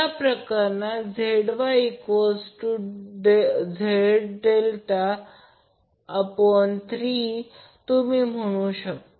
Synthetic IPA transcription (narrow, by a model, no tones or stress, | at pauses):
apɾəkaɾnad͡zʱeɽʋaikosʈuɖed͡zʱeɽɖelt̪a | pəɳt̪ʰɾiː | t̪umiːm̤əɽ̃ũɕək̚t̪